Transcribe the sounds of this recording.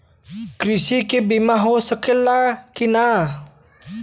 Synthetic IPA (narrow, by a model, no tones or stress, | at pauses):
kɾɪsikebimaɦosəkelakina